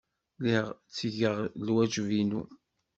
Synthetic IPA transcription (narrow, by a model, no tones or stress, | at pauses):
liʁt͡sːʝəʁlwæd͡ʒvinṵ